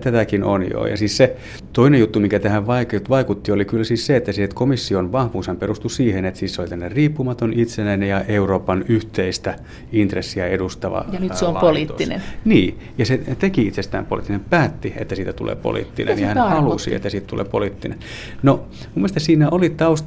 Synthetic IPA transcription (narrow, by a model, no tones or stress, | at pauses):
t̪æt̪ækino̰njo̰jɑ̰siːsse | t̪oinejjut̪ːumiŋkæt̪æhæʋʋɑikt̪ʋɑikut̪ːiolikylsiːsseet̪ːæsit̪komisːionʋɑhʋuːshæmperust̪usiːhenet̪siːsseolit̪ænːerriːpːumɑt̪onit̪senæinejɑʔeuroːpɑnyht̪eist̪æ | int̪resːiɑedust̪ɑʋɑ̰jnsompoliːtːinḛnniː | jɑset̪ekiit̪sest̪æ̰ːmpolḭt̪ːinempæːt̪ːiḛt̪ːæsiːt̪æt̪ulḛːpo̰lḭːt̪ːḭnḛnɑhænhɑlusḭḛt̪ːæsit̪t̪ulʔḛːpoliˑt̪ːinḛn | no | mumːest̪ɑsiːnæʔolit̪ɑust̪